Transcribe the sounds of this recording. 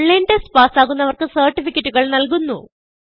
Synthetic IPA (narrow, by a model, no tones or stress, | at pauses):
ɭːendespaːsaːɣunːɐʋɐrkɨsɐːrʈːifikʲːɐtːuɣɐɭnɐlkunːṵ